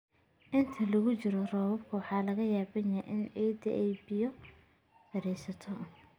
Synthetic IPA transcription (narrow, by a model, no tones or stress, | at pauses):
ʔɪnt̪ʰɐlɐɣʊt͡ʃɪɾɔrɔːwɐbkʰʊwɑħɑːlɐɣɐjaːbɐnɐʔɪnɛd̪ḭʔɛjbɪjɔ | ɐɾɛjsɐt̪ʰɔ